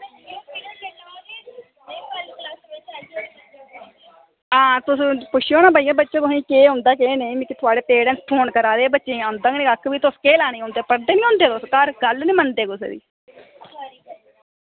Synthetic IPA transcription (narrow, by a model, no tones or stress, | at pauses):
ãːt̪ʊsːpʊʃʰioːnaːbaːijaːbətːʃõːt̪ʊsĩːkeːɦʊ̃ːnd̪aːk̬eːnemikːt̪ʰʊaːɖeːpeːɽɛ̃nspʰoːnkəɾaːd̪eːbətːʃẽːand̪ãːɡnĩːɡəkːbiːt̪ʊskeːlɛːniːɦõːnd̪eːpəɾd̪eːnĩːɦõːnd̪eːt̪ʊskəɾɡəlnĩːmənd̪eːkʊsḛːd̪ḭː